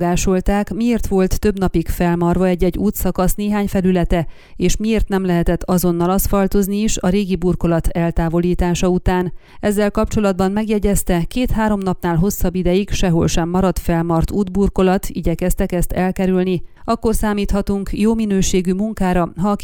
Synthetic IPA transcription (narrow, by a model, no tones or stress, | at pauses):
ɡaːʃo̞lt̪aːkmieːrt̪ʋo̞lt̪ːø̞bn̪ɒpikfɛlmɒrvɒɛɟːɛɟːuːt̪sɒkɒsneːɦaːɲfɛlylɛt̪ɛ | eːʃmieːrt̪nɛmlɛɦɛt̪ɛt̪ːɒzo̞nːɒlɒst̪fɒlt̪o̞zniiʃɒɾeːɡiburko̞lɒt̪ɛlt̪aːvo̞liːt̪aːʃɒut̪aːn | ɛzːɛlkɒpt͡ʃo̞lɒd̪̚bɒnmɛɡjɛɟɛst̪ɛkeːt̪haːɾo̞mnɒpnaːlɦo̞sːɒbːid̪ɛjikʃɛɦo̞̰lʃɛmːɒɾɒt̪fɛlmɒrt̪uːd̪burko̞lɒt̪ʰḭɟɛkɛst̪ɛkɛst̪ɛlkɛɾylniɒkːo̞rsaːmiːt̪hɒt̪uŋkjoːminøːʃeːɡymuŋkaːɾɒɦɒːk